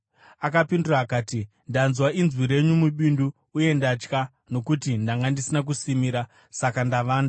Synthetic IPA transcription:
akapinduraːkaːti | ndanzwaʔinzwiɾe̞ɲumuɓinduː | je̞ndat͡ʃka | no̞kutindaŋɡandisinak̬usimiːɾa | sakandaʋaːnda

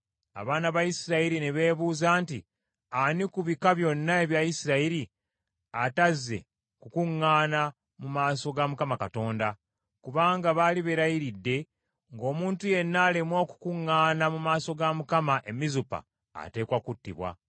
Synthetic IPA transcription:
a̰βaːnaβajisiɾaiɾineβe̞ːβuːzaːnti | anikuβikaβjo̞nːae̞βjajisiɾaiɾi | atazːe̞̰ | kukuŋːaːna | mumaːso̞ɡamukamakato̞ːnda | kuβaːŋɡaβaːliβe̞ɾajiɾidːe̞ | ŋɡo̞ːmuːntuje̞nːaːle̞mwoːku̥kuŋːaːnamumaːso̞ɡamukamaʔe̞mizupa̰ː | te̞ːkwakutːḭβwa̰

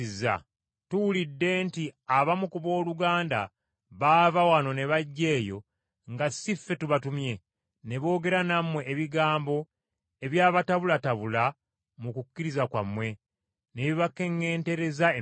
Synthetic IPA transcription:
izːa̰ | tuwulidːe̞ntiaβamukuβo̞ːluɡaːnda̰ | βaːvawano̞ne̞βaɟːe̞ːjo̞ | ŋɡasifːe̞tuβatumje̞ | ne̞βo̞ːɡe̞ɾanamwe̞ʔːβiɡaːmbo̞ | e̞βjaːβataβulataβula | mukucːiɾizakwa̰mːwe̞ | neβiβakːe̞ŋɡe̞ːnte̞ɾe̞zae

